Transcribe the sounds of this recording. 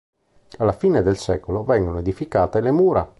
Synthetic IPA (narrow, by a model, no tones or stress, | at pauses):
alːafiːned̪elsɛːkolovɛŋɡonoed̪ifikaːt̪elemuːɾa